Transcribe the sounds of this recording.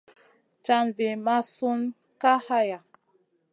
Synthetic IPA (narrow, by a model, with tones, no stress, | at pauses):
t͡ʃa˧nve˨ma˦su˦n | ka˦ha˦ja˨